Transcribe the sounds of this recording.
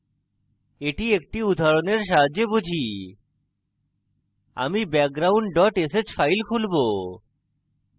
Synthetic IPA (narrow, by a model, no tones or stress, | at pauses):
eʈiek̚ʈiud̪ʱaɾoneɾʃ̬aɦad͡ʑːebud͡ʑʱi | a̰mibɛk̚ɡɾawɳɖɖɔʈeset͡ɕfʰajlkʰulbo